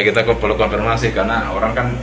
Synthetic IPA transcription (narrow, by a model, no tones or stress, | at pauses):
kit̪akupərlukɔmfirmasikarnaoɾaŋkan